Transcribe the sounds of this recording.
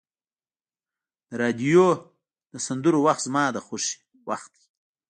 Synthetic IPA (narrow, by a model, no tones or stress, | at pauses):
d̪̥əɾɑd̪ijo | d̪̥əsand̪uɾowaxt̪zmɑːd̪əxoʃe̥ | waxt̪̚d̪i̥